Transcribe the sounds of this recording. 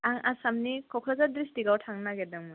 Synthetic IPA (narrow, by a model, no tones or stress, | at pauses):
aŋasamnikʰɔkʰlazadɾisdiɡawtʰaŋnaɡɛdaŋmu